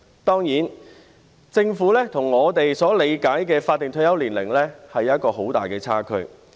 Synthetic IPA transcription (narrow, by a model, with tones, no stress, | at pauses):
t̪ɔː˥ŋjiː˨˥n | t͡sɪ˧ŋfuː˨˥lɛː˥t̪ʰʊ˨˩ŋːɔː˨˧t̪e˨jsɔː˨˥le˨˧jkaː˨˥jkɛː˧faː˧t̪̚ːɪ˨ŋt̪ʰɵ˧jɐ˨˥wliː˨˩nlɪ̰˨˩ŋlɛː˥hɐ˨jːɐ˥t̚kɔː˧ɦo˨˥wt̪a̰ː˨jkɛː˧t͡sʰaː˥kʰɵ̰˧˥ɥ